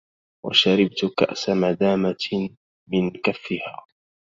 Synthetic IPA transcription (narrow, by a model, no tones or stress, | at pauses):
wa̰ʃaɾɪbt̪ka̰ʔsamad̪aːma | mɪnkafːɪhaː